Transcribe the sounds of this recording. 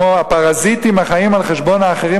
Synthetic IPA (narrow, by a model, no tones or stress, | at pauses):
oapaʁazit̪imaχaimalχeʃbo̞naːχeʁi